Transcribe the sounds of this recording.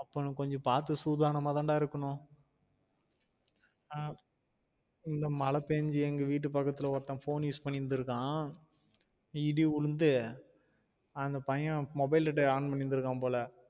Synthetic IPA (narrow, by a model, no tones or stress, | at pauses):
ɐpːoːnɯ̃kɔɲd͡ʒɔ̃paːɾt̪̬ːɯsuːðaːɾɳɐmaːt̪ãːɳɖaːɪɾɯkːɐɳʊ̃ | ɪnd̪ɐmɐlɐpeːɲd͡ʒɯɛŋɡɐʋiːʈ̬ːɯpɐkːɐt̪ːɪlɐɔɾɐt̪ːãːfoːnjuːspɐɳːɪɾɯnd̪ɯɾɯkːãː | iɽiʊɻɯnd̪ɯ | ɐnd̪ɐpɐjɐ̃mɔbɐɪlɐʈːɐaːɳpɐɳːɪnd̪ɪɾɯkːãːpoːlɐ